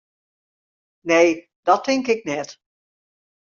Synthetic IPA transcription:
neː | d̥ɔtʰɪŋkɪk̚nɛt

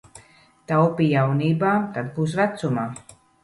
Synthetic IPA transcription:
t̪awpijawniːbaːt̪ad̪buːsvæt̪sumaː

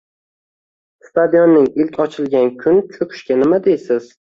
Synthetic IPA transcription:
st̪ad̪jonːɪŋɪlkʲʰɒt͡ʃʰɪlˠɡʲankʲʰʊnt͡ʃʰokʰɪ̥ʃkʲanɪmad̪ejsɪz̥

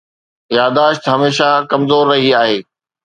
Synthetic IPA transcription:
jaːd̪aːʃt̪ɦɐmeːʃakɐmzoːɾːɐɦiaːɦeː

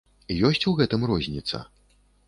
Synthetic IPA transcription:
ijɔsʲt͡sʲuɣɛt̪ɨmrɔzʲnʲit̪sɐ̰

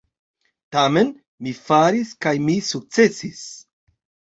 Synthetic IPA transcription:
tame̞n | mifaɾiskajmisuk̚t͡se̞sis

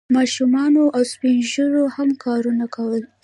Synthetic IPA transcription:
mɑʃumɑnoʔawspinʒəɾohamkɑɾunakawəl

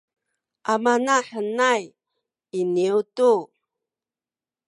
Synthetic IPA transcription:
ʔamanaħənaj | iniutu

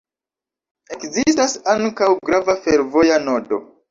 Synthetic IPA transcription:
e̞kzistasaŋkawɡɾavafeɾvo̞janodo̞̰

